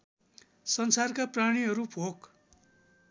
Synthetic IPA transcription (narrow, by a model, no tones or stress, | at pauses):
sʌnsarkapraɽ̃iɦʌɾubʱok